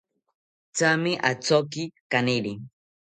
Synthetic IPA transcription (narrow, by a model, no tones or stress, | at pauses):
t͡samiʔat͡sɔkikaneɗi